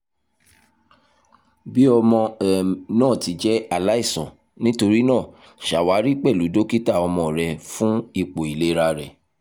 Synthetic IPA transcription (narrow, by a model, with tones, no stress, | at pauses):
bi˦ɔ˧mɔ̃˧ɛ˨nãː˦˨ti˨˦d͡ʒɛ˦a˦˨la˦i˦˨sɔ̰̃˨ | nĩ˦to˧ɾi˦nãː˦˨ | ʃa˨wa˨˦ɾi˦k͡pɛ˦˨lu˨˦do˦ki˦ta˦˨ɔ˧mɔ̃˧ɾɛ˧fũ˦i˦˨k͡po˨i˨le˦ɾa˧ɾɛ˨